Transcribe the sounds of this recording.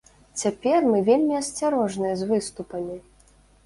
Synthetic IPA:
t͡sʲapʲɛrmɨvʲelʲmʲiɐsʲt͡sʲaɾɔʐnɨjɐzvɨst̪upɐmʲi

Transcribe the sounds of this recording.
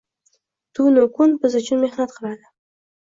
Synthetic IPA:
t̪unokunbɪzʊt͡ʃʰʊnmehnat̪qʰəɾˠɑd̪ə

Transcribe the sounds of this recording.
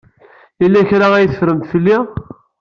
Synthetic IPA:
ilːæçɾaæjθəfɾəmt̪filːi

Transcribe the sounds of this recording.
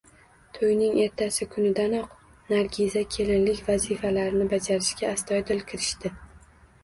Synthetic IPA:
t̪ʰojnɪŋe̞ɾt̪ʰasɪkʰʊnɪd̪anɒq | naɾɡʲizakʲʰe̞lɪnlɪkʲvazifalaɾɪnɪbad͡ʒaɾɪʃkʲaːst̪ʰɒjd̪ɪlkʲʰɪɾɪʃt̪ɪ

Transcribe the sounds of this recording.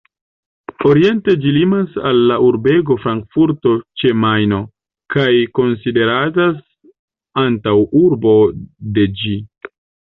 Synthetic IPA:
o̞ɾie̞nte̞d͡ʒilimasalːaʔuɾbe̞ɡo̞fɾaŋkfuɾto̞t͡ʃe̞majno̞ | kajko̞nside̞ɾatas | antawuɾbo̞de̞d͡ʒi

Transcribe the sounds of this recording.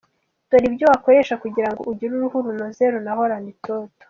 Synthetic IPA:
twaɾibjoβakoɾe̞ʃakuɟiɾaŋɡouɟiɾuɾuhuɾunozeɾunaɦo̞ɾanditoto̥

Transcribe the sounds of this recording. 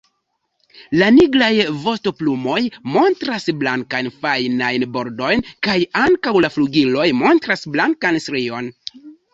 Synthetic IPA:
laniɡɾajvo̞sto̞plumo̞jmo̞ntɾasblaŋkajnfajnajnbo̞ɾdo̞jnkajaŋkawlafluɡilo̞jmo̞ntɾasblaŋkansɾio̞n

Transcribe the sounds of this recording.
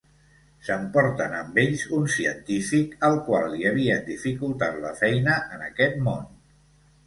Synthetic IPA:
səmpɔɾt̪ənəmbeʎzunsiənt̪ifikəlˠkwalˠːiəβ̞iəd̪ifikulˠt̪at̪ləfɛjnəʔənəkɛt̪mon

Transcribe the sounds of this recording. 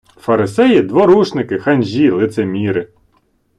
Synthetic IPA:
fɐɾɪsɛjid̪ʋɔɾuʃnɪkɪxɐnʲʒʲilˠɪt̪semʲiɾɪ

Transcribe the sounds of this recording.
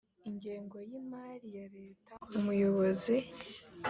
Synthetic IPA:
iɲɟeːŋɡo̞jimaːɾijaɾe̞ːtʰaumujo̞βo̞zi

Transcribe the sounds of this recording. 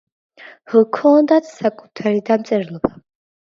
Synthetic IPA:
həkʰɔnd̪at̪ʰsakʼu̥t̪ʰaɾid̪amt̪sʼɛɾlˠɔba

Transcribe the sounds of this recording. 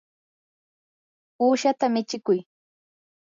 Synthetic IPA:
uːʃat̪amɪt͡ʃɪkʊj

